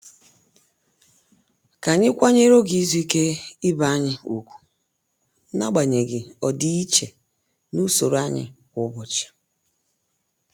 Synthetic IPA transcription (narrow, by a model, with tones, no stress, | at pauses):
ka˨ɲɪ˦kʷa˦ɲe˦ɾo˦ɡi˨˦zu˦i˦ke˦ɪ˦ba˨˦ɲɪ˦u˨kʷu̥˨˦ | na̰˦ɡ͡ba˨ɲe˨ɡɪ˨ɔ˨di˦i˦t͡ʃe˨ | nu˦so˨ɾa˦ɲɪ̰˨kʷʊ˦bʊ˨t͡ʃḁ˨